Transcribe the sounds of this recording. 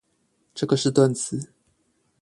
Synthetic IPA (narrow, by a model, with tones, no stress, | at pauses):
ʈ͡ʂɤ˥˩ɡə˨˩ʂɻ̩˥˧t̪wə˥˨nt͡s̩ʰ˨˦